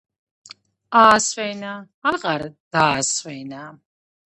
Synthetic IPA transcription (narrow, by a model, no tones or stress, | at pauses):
aːsvɛnaː | lʁaɾd̪̥aːsvɛjna